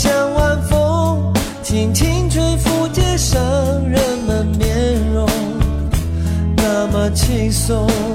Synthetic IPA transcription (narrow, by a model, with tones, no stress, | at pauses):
ɕjɑ˧˩ŋwa˥˧nfo˦˥ | t͡ɕʰi˨˩ŋt͡ɕʰi˥ŋʈ͡ʂʰwe˧˥fu˧t͡ɕjɛ˥˧ʂə˧˦ɻə˧˥nmə˧nmjɛ˧˥nɻo˧˦ | na˥˩mə˨˩t͡ɕʰi˥˧so˧˦